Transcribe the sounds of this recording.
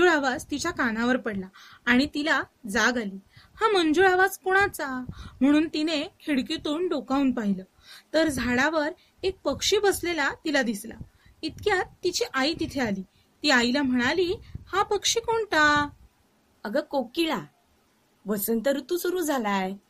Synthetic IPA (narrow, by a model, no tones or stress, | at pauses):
uɭaʋad͡zt̪it͡ɕjakanaʋəɾpəɽlaːɽ̃it̪ilad͡zaɡaliːhamənd͡zuɭaʋad͡zkoɽ̃at͡sam̤əɽ̃uːnt̪ineheɽkit̪uːɳɖokaunpaɦilə | t̪əɾd͡zʱaɽaʋəɾ | ek̚pəkʂiːbəslelat̪ilad̪isla̰ | it̪kjat̪ːit͡ɕiʔaiːt̪it̪ʰealiː | t̪iːajlam̤əɽ̃aliːhapəkʂikoɳʈ̪a | əɡəkokiɭa | ʋəsənt̪əɾut̪usuɾuːd͡zʱalaj